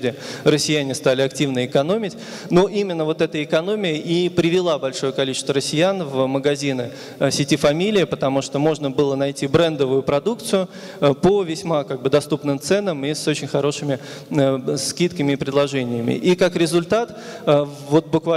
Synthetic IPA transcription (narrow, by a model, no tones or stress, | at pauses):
dʲɪrəsʲːɪjænʲɪst̪alʲɪɐk̚tʲivnəɪkɐno̞mʲɪtʲ | no̞ʔimʲɪnːəvo̞t̪ɛt̪əɪkɐno̞mʲɪjəʔipɾʲɪvʲɪlˠabɐlʲʂo̞jəkɐlʲit͡ɕɪst̪vərəsʲːɪjanvməɡɐzʲinə | sʲɪtʲifɐmʲilʲɪːpət̪ɐmuʂt̪o̞mo̞ʐnəbɨlˠənɐjtʲibɾɛnd̪əvʊjʊpɾɐd̪uk̚t̪sʊjʊ | pəvʲɪsʲmakaɡ̚bɨd̪ɐst̪upnɨmt̪sɛnəmisot͡ɕɪnʲxɐɾo̞ʂɨmʲɪ | skʲit̪kəmʲɪːpɾʲɪd̪lˠɐʐɛnʲɪjəmʲɪ̰ʔikakɾʲɪzʊlʲt̪at̪ː | vo̞t̪̚bʊkva